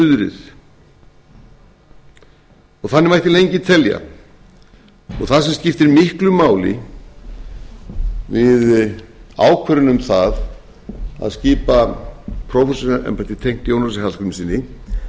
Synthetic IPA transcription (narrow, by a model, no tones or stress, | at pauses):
ʏðʏɾɪ̰θ | ɔɣθanːɪɾmajht̪ɪlejɲcɪt̪ʰɛlja̰ | ɔ̰ɣθaðsɛmscɪft̪ɪɾmɪhklʏmaːwlɪ̰ | vɪð | a̰ːwkʰvɛɾʏnʏmθað | a̰ðsciːpapʰɾɔfɛsɔʔɛ̰mpat̪it̪ʰejŋ̥t̪jownasɪhalk̪ʏmsiːnːɪ